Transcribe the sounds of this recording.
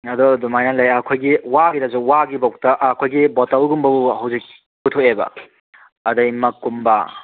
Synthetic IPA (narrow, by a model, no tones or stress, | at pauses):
ɐdɔdumajnɐlɐjɐkʰojɡiwaɡidazuwaɡibawk̚tɐʔkʰojɡibɔtɐwɡumbɐbuɦɐwzik̚ | butʰoebɐ̰ | ɐdɐjmɐkːumbɐ